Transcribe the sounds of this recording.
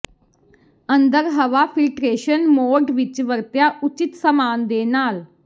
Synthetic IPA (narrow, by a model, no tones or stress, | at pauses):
ə̃nd̪əɾɦəʋaːfʰɪlʈɾeːʃənmoːɖʋɪt͡ʃʋəɾt̪jaːʔʊt͡ʃɪt̪səmaːnd̪eːnaːl